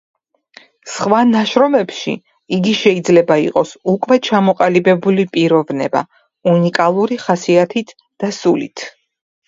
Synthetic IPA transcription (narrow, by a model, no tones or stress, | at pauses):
sχwanaʃɾɔmɛpʃḭ | iɡiʃɛid̪zlɛbaḭqʼɔsukʼwɛt͡ʃʰamɔqʼalibɛbulipʼiɾɔvnɛba̰ | unikʼalˠuɾiχasiat̪ʰit̪ʰ | d̪̥asulḭt̪ʰ